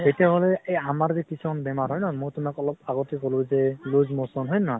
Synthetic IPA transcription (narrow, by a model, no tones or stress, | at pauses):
etijaɦɔlɛejamaɹzɛkisuɔnbɛmaɹɦɔjnɔmojtʊmakɔlɔpaɡɔtikolʊ̃zɛlozmɔsɔnɦɔjnːɔ